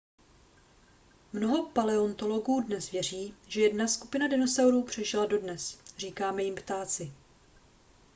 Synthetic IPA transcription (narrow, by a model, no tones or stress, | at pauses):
mno̞ɦo̞palɛo̞nt̪o̞lo̞ɡuːdnɛsvjɛr̝iːʒɛjɛdnaskupɪnadɪno̞sawɾuːpr̝̥ɛʒɪlado̞dnɛsr̝iːkaːmɛjɪmpt̪aːt͡sɪ